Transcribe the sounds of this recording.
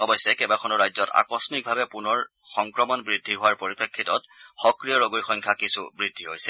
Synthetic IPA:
ɔbɔjsɛkɛbakʰɔnɔɹajzɔta̰kɔsɔnik̚bʱabɛpunɔɹ | xɔŋkɹɔmɔnbɹidʱːiɦowaɹpoɹipekʰːitɔtxɔkɹijɔɹoɡojxɔjŋkʰakisṵbɹidʱːiɦojsɛ

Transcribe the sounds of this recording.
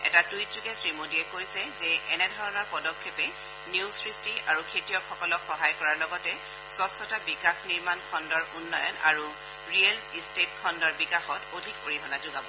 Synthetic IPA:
ɛ̰tatujtzuɡɛsɹimodiɛkojsɛzɛʔɛnɛdʱɔɹɔnɔɹpɔdɔkʰːepɛ | niusɹistiʔaɹukʰetijɔkxɔkɔlɔkxɔɦajkɔɹaɹlɔɡɔtɛ | sɔsɔtabikaxniɹmankʰɔndɔɹʔunːɔjɔ̰na̰ɹu | ɹiɛlistetkʰɔndɔɹbikaxɔtodʱikoɹiɦɔnazʊɡabɔ

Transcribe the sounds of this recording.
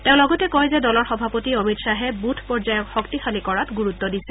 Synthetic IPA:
tẽʊ̃lɔɡɔtɛkɔjzɛdɔlɔɹxɔbʱapotiɔmitsaɦɛbutʰpɔɹzajɔkxɔktixalikɔɹatɡuɹutːɔdisɛ

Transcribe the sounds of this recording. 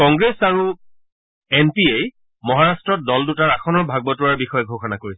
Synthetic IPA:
kɔŋɡɹesaɹu | enpiej | mɔɦaɹastɹɔt̚dɔldutaɹaxʰɔnɔɹbʱaɡ̚bɔtʊaɹbixɔjɔɡʱoxʰɔnakoɹisɛ

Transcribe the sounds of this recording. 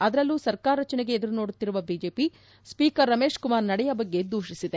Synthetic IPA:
ɐd̪ɐɾɐlːuːsɐɾkaːɾɐɾɐt͡ʃɐneɡeːd̪ɐɾuno̞ːɽut̪ːiɾuʋɐbiːd͡ʒe̞ːpi | spiːkɐɾːɐmeːʂkumaːɾnɐɽɛjɐbɐɡːe̞d̪uːʃisid̪e

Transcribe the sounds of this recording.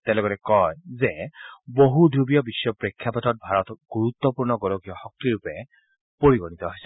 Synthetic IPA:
tɛ̃lɔɡɔtɛkɔjzɛboɦudʱubijɔbisːɔpɹekʰːjapatɔt̚bʱaɹɔtɔɡ̥uɹut̪ːɔpuɹnɔɡɔlɔɡijɔxɔk̚tiɹupɛ | poɹiɡɔnit̪ɔɦojsɛ̥

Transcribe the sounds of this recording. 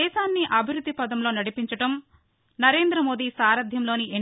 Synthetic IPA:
ɛːʃaːnːiʔɐbʱiɾud̪ːipɐd̪ɐmlo̞ːnɐɽipiɲt͡ʃɐʈɐm | nɐɾe̞ːnd̪ɾɐmo̞ːd̪isaːɾɐd̪ʱjɐmlo̞ːniʔe

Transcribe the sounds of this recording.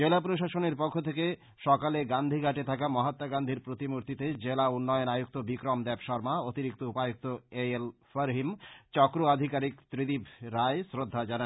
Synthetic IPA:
d͡ʑelapɾoʃaʃoneɾpokʰːot̪ʰeke | ʃɔkaleɡand̪ʱiɡʱaʈet̪ʰakamɔɦat̪ːaɡand̪ʱiɾpɾot̪imuɾt̪it̪ed͡ʑelaunːɔjonajuk̚t̪obikɾomd̪ɛpʃɔɾmaot̪iɾik̚t̪oupajuk̚t̪oeelfəɾɦimt͡ɕɔkɾoad̪ʱikaɾikt̪ɾid̪ibɾaesɾod̪ʱːad͡ʑana

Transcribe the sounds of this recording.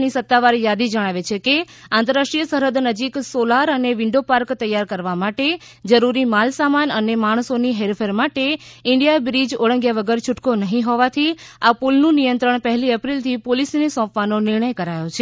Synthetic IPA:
nisət̪ːaʋaɾjad̪id͡ʒəɽ̃aʋet͡ʃʰekeãnt̪əɾaʂʈɽijəsəɾəd̪nəd͡ʒiksolaɾəneʋɪɳɖopaɾkt̪əjːaɾkəɾʋamaʈed͡ʒəɾuɾimalsamanənemaɽ̃soniɦeɾfʰeɾmaʈeɪɳɖijabɾid͡ʒoɭə̃ŋɡjaʋəɡəɾt͡ʃʰʊʈkonəɦĩɦɔʋat̪ʰiapulnũnijənt̪ɾəɳ̃pəɦliəpɾilt̪ʰipolisnesɔ̃pʋanonɪɾɳ̃əjkəɾajot͡ʃʰe

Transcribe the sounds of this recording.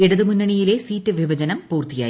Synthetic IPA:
iɽɐðɨmunːɐɳijile̞siːtːɨʋibʱɐd͡ʑɐnɐmpuːrt̪ija̰ː

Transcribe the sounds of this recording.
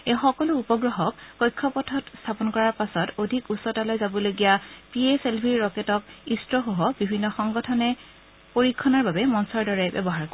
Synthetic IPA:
exɔkɔluːpɔɡɹɔɦɔk̚kɔjkʰːɔpɔtʰɔtstʰapɔnkɔɹaɹpasɔtodʱikusɔtalojzabɔloɡijapieselbʱiɹːɔketɔkistɹɔxoɦɔbibʱinːɔxɔŋɡɔtʰɔnɛ | poɹikʰːɔnaɹbabɛmɔnsɔɹdɔɹɛbɛ̰bɔɦaɹk

